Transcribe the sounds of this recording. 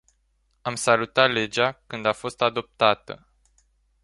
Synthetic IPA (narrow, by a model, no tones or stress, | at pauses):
amsalut̪at̪le̞d͡ʒakɨnd̪afo̞st̪ad̪o̞p̚t̪at̪ə̰